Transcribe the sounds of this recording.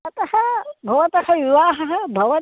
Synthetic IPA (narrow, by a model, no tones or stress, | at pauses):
ɐt̪ɐhɐbʱɐʋɐt̪ɐhɐʋiʋaːɦɐɦɐbʱɐʋɐ